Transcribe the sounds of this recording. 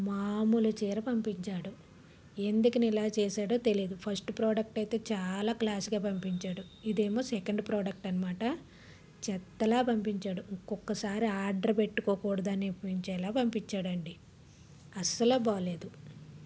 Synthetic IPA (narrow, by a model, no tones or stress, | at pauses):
maːmulut͡ʃiːɾɐpɐmpiɲt͡ʃaːɽu | e̞nd̪ukɐnilaːt͡ʃɛːsaːɽo̞ːt̪elijd̪upʰɐɾsʈpɾoːɖɐk̚ʈɐjt̪e̞ːt͡ʃaːlaːklaːsuɡaːpɐmpiɲt͡ʃaːɽu | id̪e̞ːmoːsekɐɳɖpɾoːɖɐk̚ʈɐnɐmaːʈɐ | t͡ʃɛt̪ːɐlaːpɐmpiɲt͡ʃaːɽuŋkːɔkːɐsaːɾiaːɾɖɐɾpe̞ʈːukoːkuːɽɐd̪aːnepiɲt͡ʃɛːlaːpɐmpiɲt͡ʃːaːɽɐɳɖi | ɐsɐloːbaːle̞ːd̪u